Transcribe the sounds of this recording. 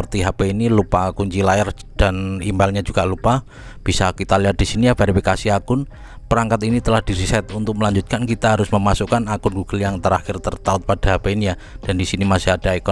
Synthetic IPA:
ərt̪iɦapeinilupakuɲt͡ʃilaɛr | d̥animɛlɲad͡ʒuɡ̥alupa | b̥isakit̪aliɦat̪̚d̥isinijafeɾifikasiakʊn | pəɾaŋkat̪init̪əlahd̥iɾisɛt̪unt̪ʊk̚məlaɲd͡ʒut̪̚kankit̪aɦaɾʊsməmasukanakʊnɡuɡ̥əljaŋt̪əɾaxɪrt̪ərt̪aʊt̪̚pad̥aɦapeinija | d̥andisinimasɪɦad̥aikɔ

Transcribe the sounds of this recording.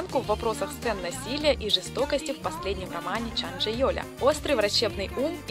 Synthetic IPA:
nkʊvːɐpɾo̞səxst̪sɛnːɐsʲilʲɪjəʔiʐɨst̪o̞kəsʲtʲɪfpɐsʲlʲedʲnʲɪmrɐmanʲɪt͡ɕanʐɨjolʲə̰o̞st̪ɾɨjvɾɐt͡ɕːe̞bnɨjum

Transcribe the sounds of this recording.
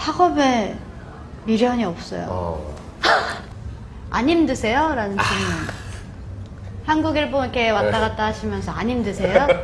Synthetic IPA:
sʰaɡʌbe | miɾjʌɲiʌp̚s͈ʌ̰jo̰ | a̰ɲimdɯsʰe̞joɾanɯnt͡ɕinɯn | hanɡuɡiɭboikʰe̞wat͈aɣat̚t͈aɦaɕʰimjʌnsʰʌaɲimdɯsʰe̞jo

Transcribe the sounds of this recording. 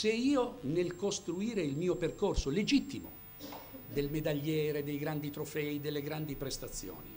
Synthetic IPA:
seiːonelkost̪ɾuiːɾeilmiːoperkorsoled͡ʒit̪ːimo̰ | d̪elmed̪aʎːɛːɾed̪ejɡɾand̪it̪ɾofɛid̪elːeɡɾand̪ipɾest̪at̪sːjo̰ːnḭ

